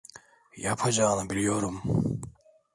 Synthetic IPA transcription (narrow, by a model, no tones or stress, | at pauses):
japʰad͡ʒaːnɯbilʲijo̞ɾum